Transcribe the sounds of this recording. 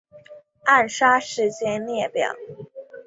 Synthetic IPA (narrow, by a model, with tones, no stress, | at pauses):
a˥˩nʂa˥ʂɻ̩˧˥t͡ɕjɛ˥nljɛ˥˩pjɑ̰˨˩˦